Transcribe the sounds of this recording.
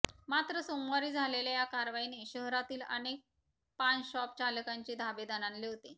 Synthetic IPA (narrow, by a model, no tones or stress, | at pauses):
mat̪ɾəsomwaɾiːd͡zʱalelajakaɾʋaineɕəɦɾat̪iːlə̰nek̚ | panɕɔp̚t͡ɕaləkaɲt͡ɕed̪ʱabed̪ananleʋt̪e